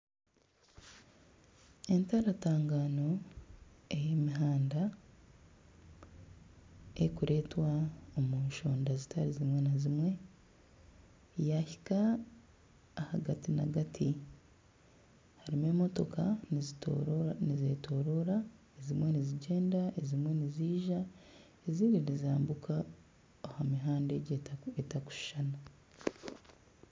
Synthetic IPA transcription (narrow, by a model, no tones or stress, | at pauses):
e̞ntaɾataːŋɡaːno̞ | e̞jemiɦaːnda | ekuɾʔe̞ːtwaomuːnʃo̞ːndazitaɾizimwe̞nazimwe̞ | jaçi̥ka | haɡatina̰ɡatʰi | haɾime̞ːmo̞to̞̰kaniz | nizetʰo̞ːɾo̞ɾa | ezimwe̞niziɟe̞ːndaezimwe̞niziːʒa | eziβinizaːmbukʰa | ohamiɦaːnde̞ɟeetaku̥ʃi̥ʃana